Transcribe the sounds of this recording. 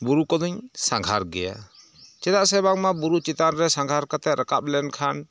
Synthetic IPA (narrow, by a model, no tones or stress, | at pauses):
buɾukɔd̪uɲsaŋɡʱaɾɡɛja̰ | t͡ʃɛdaʔsɛβaŋmabuɾut͡ʃit̪anɾɛsaŋɡʱaɾkat̪ɛɾʔəkap̚lɛnkʰan